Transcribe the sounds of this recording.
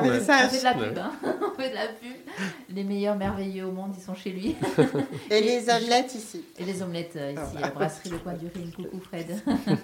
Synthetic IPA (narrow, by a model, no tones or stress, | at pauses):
ɛsafɛd̪əlapybɛ̃fɛd̪əlapyb | lemejœʁmɛʁvejøomɔ̃d̪isɔ̃ʃelɥi | elezɔmlɛt̪isielezɔmlɛt̪øisiabʁapχiləpwɛ̃d̪yʁinkukufχɛd̪